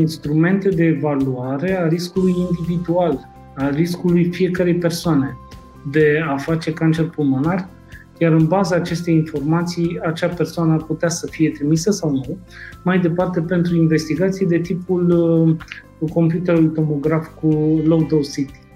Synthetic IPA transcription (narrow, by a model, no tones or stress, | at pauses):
inst̪ɾume̞nt̪e̞d̪e̞ːvaluaɾe̞aɾiskulujind̪ivid̪ual | ariskulujfije̞kəɾe̞jpe̞rsoane̞ | d̪e̞afat͡ʃe̞kant͡ʃe̞rpulmonarʲ | jaɾɨnbazaːt͡ʃe̞st̪e̞jinfo̞rmat̪sijat͡ʃape̞rsoanəaput̪easəfije̞t̪ɾimisəsawnumajd̪e̞part̪e̞pe̞nt̪ɾuinve̞st̪iɡat̪sijed̪e̞t̪ipul | ko̞mpjut̪e̞ɾulujt̪o̞mo̞ɡɾafkulowd̪osit̪i̥